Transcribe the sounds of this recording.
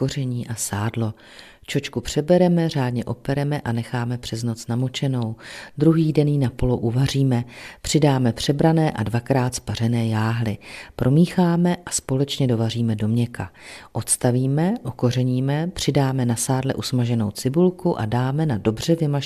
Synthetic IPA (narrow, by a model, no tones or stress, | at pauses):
o̞rɛɲiːʔasaːdlo̞ | t͡ʃo̞t͡ʃkupr̝̥ɛbɛɾɛmɛr̝aːdɲɛʔo̞pɛɾɛmɛʔanɛxaːmɛpr̝̥ɛzno̞t͡snamo̞t͡ʃɛno̞wd̪ɾuɦiːdɛniːnapo̞loʔuvar̝iːmɛpr̝̥ɪdaːmɛpr̝̥ɛbɾanɛːʔadvakɾaːt̪spar̝ɛnɛːjaːɦlɪpɾʔo̞miːxaːmɛʔaspo̞lɛt͡ʃɲɛdo̞variːmɛdo̞mɲɛkʰaʔo̞t̪st̪aviːmɛʔo̞ko̞r̝ɛɲiːmɛpr̥ɪdaːmɛnasaːdlɛʔusmaʒɛno̞̰wt͡sɪbulkuʔa̰daːmɛnado̞br̝ɛvɪma